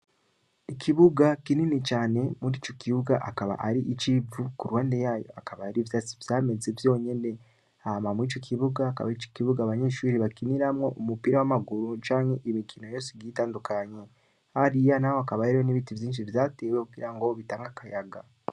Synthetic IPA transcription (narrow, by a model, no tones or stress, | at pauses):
ikʰiβuɡakininit͡ʃaːne̞muɾiːt͡ʃo̞kiβuɡaʔakaβa̰ʔaɾiʔit͡ʃivukuɾwaːndejaːjo̞̰akaβaaɾivjaːsi̥vjaːme̞zevjo̞ːɲe̞ne̞ | ahmamuiːt͡ʃo̞kʰiβuɡaːka̰βait͡ʃo̥kiβuɡaːβaɲe̞ːʃuːɾiβakiniɾamŋo̞ʔumupiːɾawamaɡuɾut͡ʃaːɲhe̞ʔimikʰino̞jo̞ːseɡiːtaːndukaɲe̞ | haɾijanahoakaβahiɾijoniβitivjiːnʃ̬ivjaːte̞wekuɡiɾaŋɡo̞βitaːŋɡakajaɡa̰